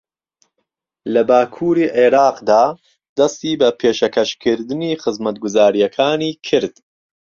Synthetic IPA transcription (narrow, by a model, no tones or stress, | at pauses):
lɐbaːkʰuːɾiːʔeːɾaːqd̪aː | d̪ɐst̪iːbɐpʰeːʃɐkʰɐʃkʰɨɾd̪ɨniːxɨzmɐt̪̚ɡʊzaːɾijɐkʰaːniːkʰɨɾd̪̥